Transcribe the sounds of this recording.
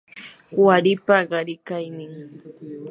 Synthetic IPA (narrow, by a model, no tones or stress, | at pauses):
waɾɪpaɢɑɾɪkajnɪŋ